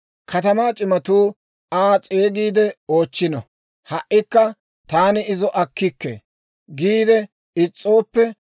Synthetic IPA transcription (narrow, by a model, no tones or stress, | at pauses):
kʰɐt̪ɐmaːt͡ʃʼɪmɐt̪uː | aːt͡sʼeːɡiːd̪ɛo̞ːt͡ʃːɪnɐ̰ | hɐʔːɪkːɐ | t̪aːnɪɪzɔʔɐkːɪkːḛ | ɡiːd̪ɛ | ɪt͡sʼːo̞ːpːɛ